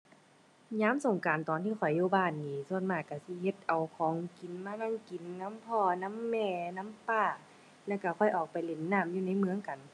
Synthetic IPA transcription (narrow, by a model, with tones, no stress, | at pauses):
ɲaː˧˥˨mso˨˩ŋkaː˨nt̪ɔː˨nt̪ʰiː˧˩kʰɔ˨˩jːuː˧˨baː˧˩nniː˧˩su˧˨ənmaː˧˩jka˧˩si˧˦he˧˦t̪̚ʔa˨˩wkʰɔː˨˦ŋki˨nmaː˧˥˨na˧˥˨ŋki˨nna˧˥˨mpʰɔː˧˩na˧˥˨mːɛː˧˨na˧˥˨mpaː˧˩ | lɛː˧˥˩wka˧˩kʰɔ˧˩jʔɔː˨˩k̚pa˨jle˧˩˦nːaː˧˨mjuː˧na˧˥˨jmɯ˧əŋka˨n